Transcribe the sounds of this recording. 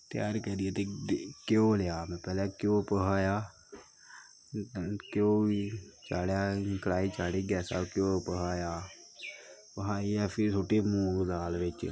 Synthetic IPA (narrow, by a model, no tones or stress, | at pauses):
t̪ɪja̰ːɾkɛːd̪ɪɛːt̪eːkjõːlaːmɛ̃ːpɛːlɛ̃ːkjõːpəɦaːjaː | kjõːit͡ʃaːɽjaːkəlaːiːt͡ʃaːɽiːɡɛːsa̰ːkjõːpəɦaːjaː | pəɦaːiːɛːpʰɪɾsoːʈeːmũːɡd̪aːlʋɪt͡ʃ